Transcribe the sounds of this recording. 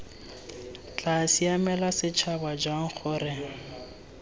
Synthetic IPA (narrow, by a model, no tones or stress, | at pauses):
t͡ɬʼasiamɛlasɪt͡ʃʰabad͡ʒwaŋ̩k͡xʰʊːrɛŋ